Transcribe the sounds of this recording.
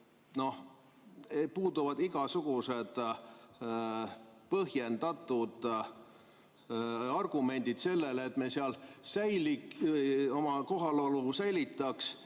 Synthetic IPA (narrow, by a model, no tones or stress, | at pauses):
no̞h | puːd̪uvɑd̪iɡ̥ɑsuɡ̥use̞d̪̥ | pɤɦjend̪̥ɑt̪ːˑud̪̥ | ɑrɡ̥ume̞nʲd̪̥id̪̥se̞lːe̞lːt̪ːˑmeseɑlsæjli | o̞mɑko̞ɦɑlolusæjlit̪ːˑɑks